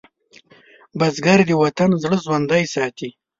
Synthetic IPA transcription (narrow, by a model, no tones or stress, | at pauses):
bazɡaɾd̪əwat̪anzɽəzwand̪ajsɑt̪i